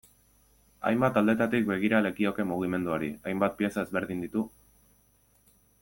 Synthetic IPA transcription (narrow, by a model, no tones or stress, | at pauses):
a̰jmbat̪ald̪e̞t̪at̪ik̚be̞ɣ̞iɾale̞kio̞ke̞muɣ̞ime̞nd̪uoɾiajmbat̪̚pie̞sae̞zβe̞ɾðind̪it̪u